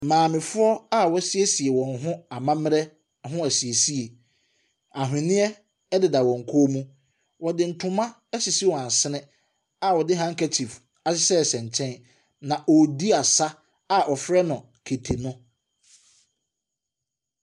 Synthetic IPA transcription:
mãː˨mɪ̃˨fʊ˦ɔ˦a˦wɔ˦si˦e˦si˨ɛ˨wɔ̃˨nɦʊ̃˦a˨mã˦m˦ɾɛ˦˨ | ɦʊ̃˦æ˨si˨e˨si˦e˨ | a˨ɦʊ̃˨nɪ̃˦ɛ˦ | dɪ˨da˨wɔ̃˨ŋ̩˨kʰo˦mũ˦ | wɔ˨dɪ˨n̩˦tʰʊ̃˦mã˦ | ɛ˦si˨si˦wɔ̃˨a˨sɪ˦nɪ̃˦ | a˨wɔ˨dɪ˦ɦã˦ŋ̩˦kʰɛ˦tʰi˨f | a˨sɪ˦sɛ˦˨sɛ̃˨ɲ˨t͡ɕʰɛ̃˦n | nã˨ʔɔ˨di˦a˨sa˦ | a˨ʔɔ˨fɾɛ˦nʊ̃˨ | kʰe˨tʰe˨nʊ̃˦

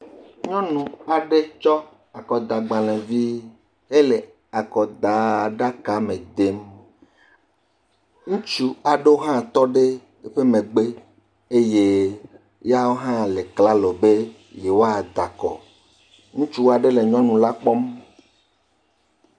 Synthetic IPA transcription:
ɲɔ̃˦nũ˨a˨ɖe˦t͡ʃɔ˦ | a˨kɔ˨d̪a˨ɡ͡ba˨lẽ˨vi˦ | ɦe˦le˨ | a˨kɔ˨d̪a˨˦˨ɖa˦ka˨mẽ˨d̪e˦m | ŋũ˦t͡ʃu˦a˨ɖe˦o˦ɦã˦t̪ɔ˦ɖe˦ | e˦ɸe˦mẽ˨ɡ͡be˦ | e˦je˦ | ja˦wo˦ɦã˦le˨kla˦lɔ˨be˦ | je˨wo˦a˨d̪a˨kɔ̰˨ | ŋũ˦t͡ʃu˦wa˨ɖe˦le˨ɲɔ̃˦nũ˨la˦k͡pɔ˦m

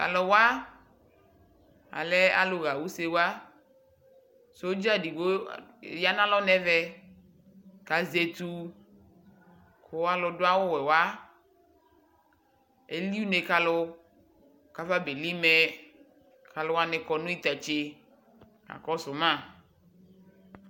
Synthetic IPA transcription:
ka̰˨lɔ˨wa˦ | a̰˨lɛ˦a̰˨lo˨ɣa˨wu˦se˦wa˦ | so˦o˦d͡ʒa˦di˨wo˦˨ja˦nã˦lɔ˦nɛ˦vɛ˦ | ka˨ze˨t̪u˦ | ko˦wa˦lʊ˨dʊ˦a˦wo˦wɛ˨wa˦ | e˦li˦u˦ne˨ka˨lʊ˦ | ka˨˦va˦be˨li˦mɛ˦ | ka˨lo˦wa˦nɛ˨kɔ˨nũ˦i˦t̪a˨t͡ʃe˦ | a̰˨kɔ˦sʊ˨mã˦˨

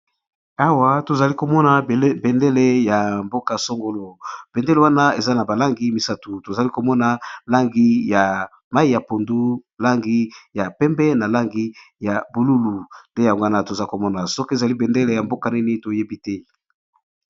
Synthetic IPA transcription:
a˦wa˦to˨za˨li˦ko˨mɔ˦na˨bɛ˨nde˦le˦ja˨mbo˦ka˨so˦ŋɡo˦lo˨b̥ɛ˨nde˦le˨wa˦na˦e˨za˦na˨ba˨la˦ŋɡi˦mi˨sa˦tu˨to˨za˨li˦ko˨mɔ˦na˨la˦ŋɡi˦ja˨ | ma˦i˦ja˨po˨ndu˦la˦ŋɡi˦ja˨pɛ˦mbɛ˦na˨la˦ŋɡi˦ja˨bu˨lu˦lu˨nde˦ja˨ŋɡa˦na˦˨to˨za˦ko˨mɔ˦na˨sɔ˦ke˨za˨li˦bɛ˨nde˦le˨ja˨mbo˦ka˨nɛ˦ni˦to˨je˦bi˦tɛ˦

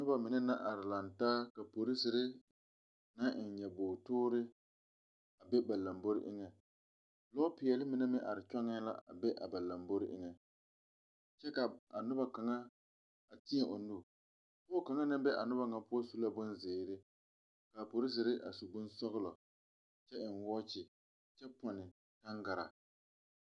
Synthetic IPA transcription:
nʊ˦ba˨mɪ˨nɛ˦na˦ʔa˨ɾɪ˨la˨ntaː˦ka˨po˨ɾi˦sɪ˨ɾɪ˦ | na˦ʔɪ˨n˨ɲɛ˨boː˨toː˦ɾɪ˦ | a˨bɛ˦ba˨la˨mbo˦ɾɪ˦ʔɪ̰˦ŋɛ˨ | lɔ˦pɪ˨ɛ˨lɪ˦mɪ˨nɛ˦mɪ˦ʔa˨ɾɪ˨t͡ʃɔ˦ŋɛ˦la̰˦ʔa̰˨bɛ˦ʔa̰˨ba˨la˨mbo˦ɾɪ˦ʔɪ̰˦ŋɛ˨ | t͡ʃɛ˦ka˨a˨nʊ˦ba˨ka˨ŋa˦ | a˨tɪ˦ɲɛ˨ʔʊ˨nʊ˦ | pʊː˦ka˨ŋa˦nɨ˦mbɛ˦ʔa˨nʊ˦ba˦ŋa˨pʊ˦ɔ˦su˦la˦bʊ˦nzɪː˨ɾɪ˦ | kaː˨po˨ɾɪ˦zɪ˨ɾɪ˦ʔa̰˨su˨bʊ˦nsɔ˦ɣʊ˦lɔ˨ | t͡ʃɛ˦ɪ˨nwɔː˦t͡ʃɪ˨ | t͡ʃɛ˦pɔ˨nɪ˨ | ta˦ŋɡa˨ɾa̰˨

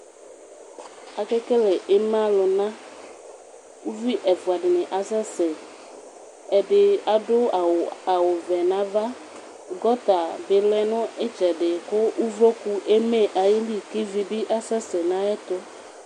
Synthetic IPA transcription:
a˨kɛ˦kɛ˦lɛ˨ʔe˦mã˦lʊ˨nã˦ | u˦vi˦ʔɛ˨fu˨a˨ɖɪ˨nɪ̃˨ʔa˨sɛ˦sɛ˨ | ɛ˨ɖɪ˨a˨ɖʊ˦˨a˨wo˨vɛ˨nã˨˦va˦ | ɡɔ˦t̪a˨be˨lɛ˦nʊ̃˦e˦t͡ʃɛ˨ɖɪ˨ko˦u˦vɾo˦ku˨ʔe˦me˦ʔa˨ji˦li˦ke˦vi˨bi˦ʔa˨sɛ˦sɛ˨nã˦ɛ˦t̪o˦

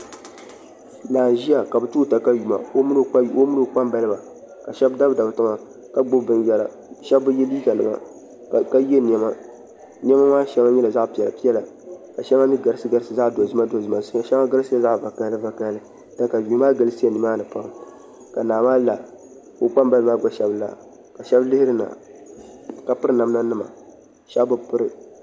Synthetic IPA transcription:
naː˨ʒi˦a˨ka˨bɨ˨tuː˦˨ta˨ka˦ju˨ma̰˨o˦m˦n˦o˦mu˦nɨ˨k͡pa˦mba˦lɨ˦ba˨ | ka˨ʃɛ˦bda˦bda˨bɨ˨tɨ˦ma˨ | ka˦ɡ͡bo˦bɨ˦njɛ˨la̰˨ | ʃɛ˦bːɨ˦jɛ˦liː˦ka˨nɨ̰˨ma̰˨ | ka˦je˦n˨ɛ˦ma˦ | ni˦ɛ˦ma˦maː˦ʃɛ˦a˦ɲɛ˦la˨za˦ʔpi˨ɛ˨la˨pi˦ɛ˦la˨ka˨ʃɛ˦ma˦mi˦ɡa˨ɾɨ˦sɨ˦ɡa˦ɾsɨ˨za˦ʔdo˨zɨ˦ma˦do˨zɨ˦ma˨˦˨ʃɛ˦ŋa˦ɡa˦ɾɨ˦sɨ˦a˦za˦ʔva˨ka˦lɨ˦va˨ka˦lɨ˦ | da˦˨ka˨bi˨˦maː˦ɡɨ˦lɨ˦si˦ɛ˨ni˨maː˦nɨ˨pa˦ŋ˨ | ka˨naː˨maː˦la˨ | kʊ˦k͡pa˦mba˦lɨ˦maː˦˨ɡ͡ba˦ʃɛ˦bla̰˨ | ka˨ʃɛ˦blɨ˦hɪ˦ɾɨ˦na̰˨ | ka˨pɨ˦ɾɨ˦na˨mna˦nɨ˦ma̰˨ | ʃɛ˦bbʊ˦pɨ˦ɾɨ˨

